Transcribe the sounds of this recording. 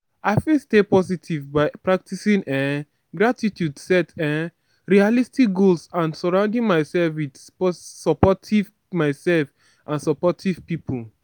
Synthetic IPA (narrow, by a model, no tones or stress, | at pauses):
aɪfilstepɔsitʰivbaɪpɹak̚tisĩnɛ̃ | ɡɹatitʰjudsɛtɛ̃ | ɹialistik̚ɡolsãnsɔɹãʊ̃ndĩŋmaɪsɛlfwidpɔsɔpɔtʰiv | maɪsɛlf | ʔãnsɔpɔtʰiv̥pipʰul